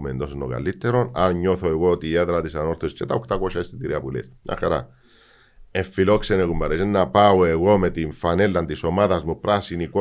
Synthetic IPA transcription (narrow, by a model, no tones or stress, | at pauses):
mḛnd̪o̞sonːoka̰lit̪ːe̞ɾo̞nanɲo̞θoeɣoot̪iet̪ɾat̪isano̞ɾθost͡ʃet̪aokt̪ako̞ʃaist̪it̪iɾiapulḛsɲa̰xaɾa̰ | eɱfilo̞ksenekumbɐɾes̬enːapaoeɣo̞met̪iɱfane̞lːant̪iso̞maðɐzmupɾasiniko